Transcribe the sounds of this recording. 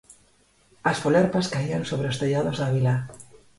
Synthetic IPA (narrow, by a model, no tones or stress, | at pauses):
asfoleɾpaskaiansoβɾeost̪eʎaðozðaβila